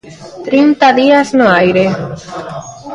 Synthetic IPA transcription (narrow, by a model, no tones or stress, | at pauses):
t̪ɾint̪aðiaznoajɾe